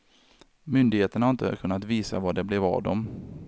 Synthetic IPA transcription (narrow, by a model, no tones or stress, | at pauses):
mʏnd̪ɪɡheːt̪əɳhaɾɪnt̪ə̰kʰɵnːat̪viːsa̰vaɖɛblɛvɑ̰ːvd̪ɔm